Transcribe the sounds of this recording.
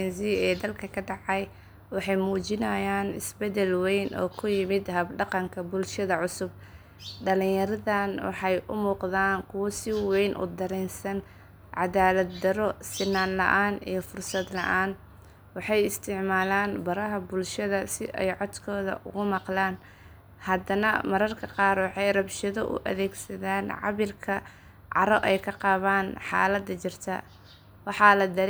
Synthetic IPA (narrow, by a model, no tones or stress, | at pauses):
ɛnziːɛːd̪ɐlkʰɐkʰɐɖɑʕɑj | wɑħɑjmuːt͡ʃɪnɐjaːnɪsbɛd̪ɛlwɛjnʔɔ̰ːkʰʊjɪmɪd̪ɦɐbɖɑqɑŋkʰɐbʊlʃɐðɐʕʊsʊb̚ | ɖɐlɪ̃ŋjɐɾɐðaːnwɑ̰ħɑjʔʊ̰muːqðaːŋkʰʊwɐsɪwɛjnʔʊ̰d̪ɐɾɛnsɐn | ʕɑðaːlɐd̪̚d̪ɐɾɔsɪnːaːnlɐ̰ʔaːnḭjɞfʊrsɐd̪lɐ̰ʔaːn | wɑħɑjɪst̪ʰɪʕmaːlaːnbɐɾɐɦɐbʊlʃɐðɐsɪʔɛ̰jʕɔd̪kʰɔːðɐ̰ʔʊ̰ɣʊmɑqlaːn | hɐd̪ɐnɐmɐɾɐrkʰɐqɑːrwɑħɑjrɐbʃɐðɔʔʊ̰ʔɐ̰ðɛːɡsɐðaːnʕɑ̰βɪlkʰɐ | ʕɑ̰ɾɔʔɛjkʰɐqɑːβaːnħɑ̰ːlɐd̪ɐt͡ʃɪrt̪ʰɐ̰ | wɑħɑlɐd̪ɐɾ